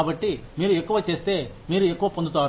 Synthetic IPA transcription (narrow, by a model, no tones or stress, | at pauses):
bɐʈːimiːɾɯɛkːɐʋɐt͡ʃːeːst̪eː | miːɾɯɛkːɐʋɐpːond̪ɯt̪ːaːɾ